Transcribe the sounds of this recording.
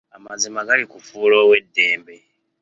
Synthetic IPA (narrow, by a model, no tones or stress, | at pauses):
amazimaɡalikufuːlo̞ːwe̞dːe̞ːmbe